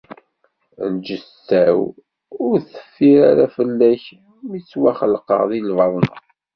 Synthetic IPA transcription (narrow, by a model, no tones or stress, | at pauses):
nd͡ʒəstæw | ʊɾθə̥fːiɾaɾæfəlːæç | mit͡sːwæχəlqə̰ʁðˤilvɑðˤn